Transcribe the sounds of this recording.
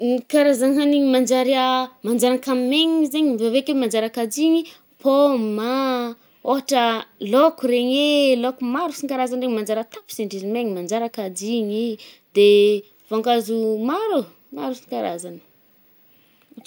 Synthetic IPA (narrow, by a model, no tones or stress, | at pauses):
nikaɾazanɦaniɲmand͡ʒaɾiamand͡ʒaɾankamimeɲizeɲivavekemand͡ʒaɾakad͡ʒiɲi | pʰoma | oɦaʈ͡ʂəlokuɾeɲelokumaɾusiŋkaɾazanreɲmand͡ʒaɾət̪api̥seɳɖ͡ʐizimeɲimand͡ʒaɾakad͡ʒiɲi | d̪e | vaŋɡazumaɾu | maɾusi̥ŋkaɾa̰zanə̥